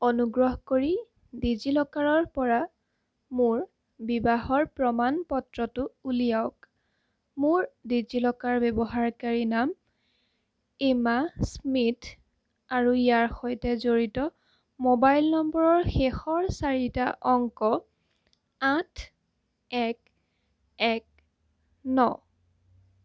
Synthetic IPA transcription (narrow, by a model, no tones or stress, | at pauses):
ɔnuɡɹɔɦkoɹi | dizilɔkaɹɔɹpɔɹa | mʊɹ | bibaɦɔɹpɹɔmanpɔtɹɔtʊulijaʊk | mʊɹdid͡ʒilɔkaɹbɛbɔɦaɹkaɹinam | imasmit | aɹuijaɹxojtɛzoɹitɔ | mobajlnɔmbɔɹɔɹxɛxɔɹsaɹitaʔɔŋkɔ | atʰ | ɛk | ɛk̚ | nɔ